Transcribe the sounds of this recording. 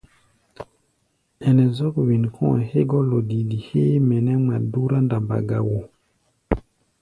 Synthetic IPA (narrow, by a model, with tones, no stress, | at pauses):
ɛ˨nɛ˨zɔ˦kwi˨nkʰɔ̰̃˦˨he˦ɡɔ˦lo˨di˨di˨he˦mɛ˨nɛ˦ma˨du˦ɾa˦nda˨mba̰˨ɡa˨wo˨